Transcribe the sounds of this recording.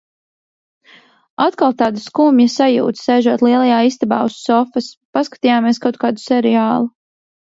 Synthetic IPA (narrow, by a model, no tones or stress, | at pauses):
at̪kalˠt̪aːd̪askuːmjasajṵːt̪sɛjʒuɔt̪lˠiɛlˠajaːist̪abaːusːɔfɐspaskḁt̪ijaːmieɛskawt̪̚kaːd̪usɛɾɛaːlˠu